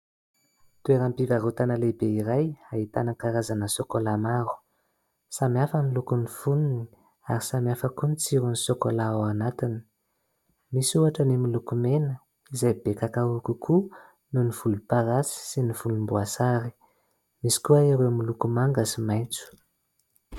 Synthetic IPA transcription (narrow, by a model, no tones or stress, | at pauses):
t̪ueɾampivaɾut̪anəlebeiɾajait̪anəkaɾazanəsokolamaɾu̥ | samjafənilukunifununi | aɾisamjafəkunit͡siɾunisokolaawanat̪ini̥ | misuaʈ͡ʂənimilukumenə | izajbekakaukukʰu | nuniv̥ulupaɾasi̥siniv̥ulumbuasaɾi̥ | misi̥kuaiɾemilukumaŋɡəsimajnt͡su̥